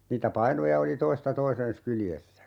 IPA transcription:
niːtæ pɑinojɑ oli toistɑ toisen̞s kyljesːæ

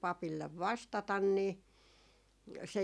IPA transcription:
pɑpilːeʋ ʋɑstɑtɑn niː se

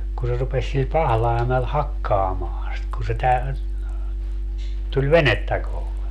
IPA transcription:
ku se rupesʲ sil pɑhlɑi̯mel hɑkːɑːmɑːɑ̃ sit kun̞ se tæ tulʲ ʋenetːæ kohle

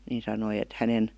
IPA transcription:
nin sɑnoi et hænen

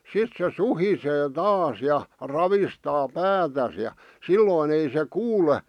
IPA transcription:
sit se suhiseː tɑːs jɑ rɑʋistɑː pæːtæs jɑ silːoˑĭn ei se kuːle

